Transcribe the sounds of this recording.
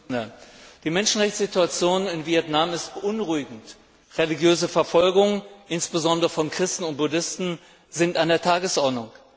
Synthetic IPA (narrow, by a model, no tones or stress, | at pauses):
əd̥iːmɛnʃn̩ʁɛçt͡sz̥ituat͡sjoːnɪnviɛtnamɪst̚b̥əʔʊnʁuɪɡŋ̩t | ʁeliɡjøːzəfɛɐfɔlɡʊŋənʔɪnsb̥əzɔndəʁəfɔnkʁ̥ɪstn̩ʊnt̚b̥ʊdɪstn̩ | zɪntandeːɐtʰaːɡəsʔɔɐdnʊŋ